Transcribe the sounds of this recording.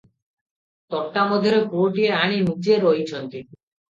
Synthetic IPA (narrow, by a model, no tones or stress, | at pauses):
t̪ɔʈːamod̪ʱiɾekuoʈieaɽ̃inut͡ɕeɾojt͡ɕʰont̪i